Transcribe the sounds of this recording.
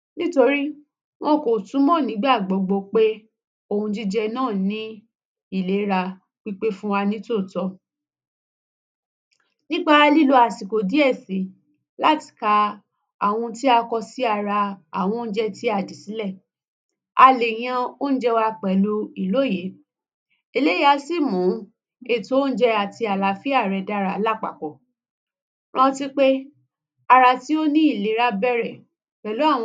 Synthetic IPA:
nĩ˦to˧ɾi˦ | w̃ɔ̃˧ko˨tũ˨˦mɔ̃˦˨nĩ˨˦ɡ͡ba˦˨ɡ͡bɔ˨ɡ͡bo˧k͡pe˦ | o˦˨hũ˧d͡ʒi˦d͡ʒɛ˧nãː˦˨nĩ˦ | i˦˨le˨˦ɾa˧ | k͡pi˦k͡pe˦fũ˦wa˧nĩ˦to˦˨tɔ˧ | nĩ˦k͡pa˦˧˦li˦lo˧a˨si˨ko˨di˨˦ɛ˦˨si˨˦ | la˦ti̥˨ka˧ | a˨w̃ɔ̃˧ti˦a˧kɔ˧si˦a˧˨ɾa˧a̰˨w̃ɔ̃˧˦n̩˦d͡ʒɛ˧ti˦a˧˨di˨si˨˦lɛ˦˨ | a˧le˨j̃ã˧o˦ñ̩˦d͡ʒɛ˧wa˧k͡pɛ˨lu˧i˨lo˨˦˨je˨˦ | e˨˧le˨˦a˨˧˦si˦˨mũ˨˦ | e˨to˦n̩˦d͡ʒɛ˧a˨ti˧a˨la˨˧fi˦a˦˨ɾɛ˧da˧ɾa˧˨˦la˦˨k͡pa̰˨kɔ˨ | ɾ̃ã˦˧˦ti˦k͡pe˦ | a˧ɾa˧˨ti˦o˦nĩ˦i˦˨le˨˦ɾa˦bɛ˦˨ɾɛ˨ | k͡pɛ˨lo˨˦a˦˨w̃

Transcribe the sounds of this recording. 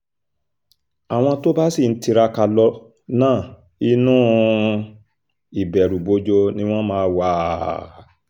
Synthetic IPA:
a˨w̃ɔ̃˧to˦ba˦si˦˨n̩˦ti˧ɾa˧ka˧lɔ˧ | nãː˦˨ | i˧nũː˦˨ | i˨bɛ˨ɾu˨bo˨˧˦d͡ʒo˧nĩ˧˦w̃ɔ̃˦mãː˦wa˦

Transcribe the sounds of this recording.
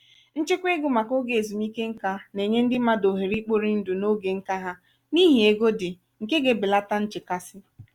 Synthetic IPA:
n̩˦t͡ʃɪ˦kʷe˦ɡʊ˦ma˨ko˦ɡe˦˨e˨zu˨mi˦ke˦ŋ̩˦ka˦ne˨ɲe˦n̩˦dɪ˦ma˦do˨ɦe˨ɾi˦k͡po˦ɾi˦n̩˦dʊ˨no˦ɡe˨ŋ̩˦ka˦ɦa˦ | ni˦ɦi˨e˨ɡo˦dɪ˨ | ŋ̩˨ke˦ɡe˦bɪ˨la˦ta˦n̩˦t͡ʃɪ˨ka˦sɪ˦

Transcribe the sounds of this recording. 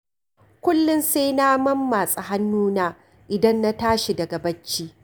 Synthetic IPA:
kʷʊ˦lːʊ˦nse˦jnaː˦mɐ˦mːaː˨sʼɐ˨ɦa˦nːuː˦naː˦ | ʔɪ˨dɐ˦nːa˦taː˦ʃi˨dɐ˨ɡa˨bɐ˦t͡ʃːiː˦

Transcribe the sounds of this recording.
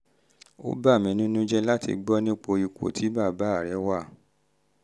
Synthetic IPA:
o̰˦ba˦˨mĩ˨˧˦nĩ˦nũ˦d͡ʒɛ˦la˦tḭ˧ɡ͡bɔ˦nĩ˦k͡po˧i˧kʷo̰˨tʰi˨˦ba˦˨ba˨˦˨ɾɛ˨˦wa˦˨

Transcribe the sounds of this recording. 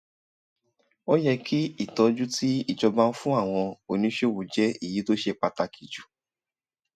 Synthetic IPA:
ɔ˦jɛ˧kʰi˦i˦˨tɔ˧d͡ʒu˦ti˦i˦˨d͡ʒɔ˧bã˧n̩˦fũ˦a˦˨w̃ɔ̃˧o˨nĩ˨˦ʃe˦˨wu˨d͡ʒɛ˦i˦˨ji˨˦to˦ʃe˧˨k͡pa˧ta˧kʰi˨d͡ʒu˨

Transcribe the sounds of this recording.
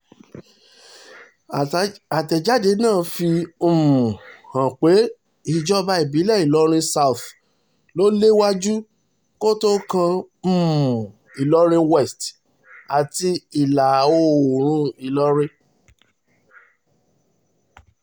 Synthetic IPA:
a˨tɛ˨d͡ʒa˨˦de˨˦nãː˦˨fĩ˧˦˨ | hã˨k͡pe˨˦ | i˦˨d͡ʒɔ˦ba˧i˨bi˨˦lɛ˦˨i˨lɔ˨˦ɾ̃ĩ˧sa˦u˨θ | lo˦le˦wa˦d͡ʒu˦ | ko˦to˦kã˧ | m̩˦˨m˨ | i˨lɔ˦ɾ̃ĩ˧wɛ˦˨st | a˨ti˧i˨la˨o˦˨ɾ̃ũ˦i˨lɔ˦ɾĩ˧˦

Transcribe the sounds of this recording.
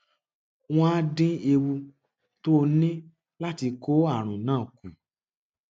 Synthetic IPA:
w̃ɔ̃˦a˦dĩ˦e˧wu˧ | to˦˧nĩ˦ | la˦ti˧ko˦a˦˨ɾ̃ũ˨nãː˦˨ku˨

